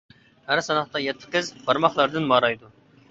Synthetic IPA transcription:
hæɾsɑnɑχt̪ɑjɛt̪ʰːɪ̥qɪzbɑɾmɑχlˠɑɾd̪ɨnbɑɾɑjd̪u

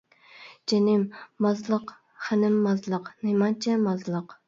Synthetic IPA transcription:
d͡ʒenɪmːɑzlˠəq | χænɪmːɑzlˠəqnemɑnt͡ʃʰɛmɑzlˠəq

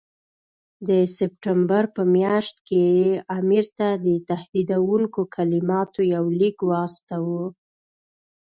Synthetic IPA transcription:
d̪əsɪp̚ʈambaɾpəmjɑʃt̪̚keamiɾt̪ad̪ət̪ahd̪id̪awuŋkokʰalimɑt̪ojawlikwɑst̪awu

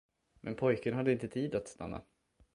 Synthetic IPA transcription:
mʔɛnpʰɔjkənɦad̪ːəɪnt̪ət̪ʰiːd̪at̪st̪a̰nːa̰

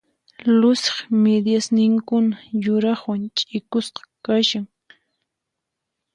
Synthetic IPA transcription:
lʊsɪ̥χmed̪jasnɪŋkʊnajʊɾɑχwant͡ʃʼɪkʊsqɑ̥kaʃaŋ

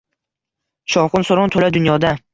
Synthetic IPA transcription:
ʃɒwqʊnsoɾɒnt̪ʰolad̪ʊnjɒd̪a

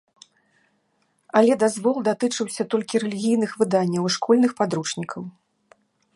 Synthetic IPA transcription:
ɐlʲɛd̪azvɔlˠd̪at̪ɨt͡ʂɨwsʲɐt̪ɔlʲkʲiɾɛlʲiɣʲijn̪ɨxvɨd̪anʲːɐwʂkɔlʲnɨxpad̪ɾut͡ʂnʲikʰɐw

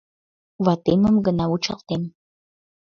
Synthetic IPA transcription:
wɑt̪eməmɡənɑut͡ʃɑ̰lt̪em

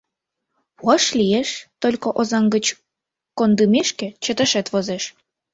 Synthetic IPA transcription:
pɑʃlieʃt̪olʲkoʔozɑŋɡət͡ɕ | kond̪umeʃkĕt͡ɕət̪ə̆ʃet̪βozeʃ

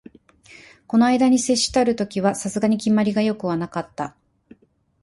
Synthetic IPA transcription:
ko̞no̞aid̪aɲ̟ise̞ɕːi̥t̪aɾɯ̟t̪o̞kʲiβasasɨɡaɲ̟ikʲimːaɾʲiɡajo̞kɯ̟βanakat̪ːa

